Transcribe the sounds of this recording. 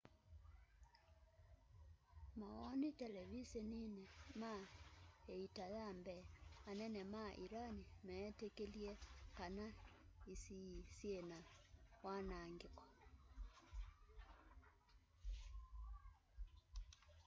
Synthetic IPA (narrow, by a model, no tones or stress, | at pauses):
maɣɔnitɛlɛβiseninɛma | eitaðambɛanɛnɛmaʔiɾanimɛːtekeljɛkana | isisjenawanaŋɡekɔ̥